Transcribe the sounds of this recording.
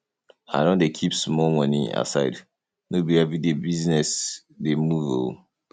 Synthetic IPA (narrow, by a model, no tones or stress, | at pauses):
haɪɾɔ̃ndekʰipsmɔlmʌnḭa̰saɪd | nobiɛvɹidebiznɛs | demuvo̰